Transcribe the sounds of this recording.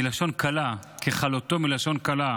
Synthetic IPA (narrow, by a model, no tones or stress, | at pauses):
ilaʃo̞nkʰalakʰeχalot̪o̞milaʃo̞nkala